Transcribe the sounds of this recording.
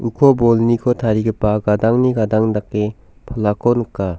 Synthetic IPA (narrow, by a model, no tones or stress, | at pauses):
ukʰɔbɔlnikʰɔtʰaɾiɡepaɡadaŋniɡadaŋdakːe | pʰalakʰɔnuka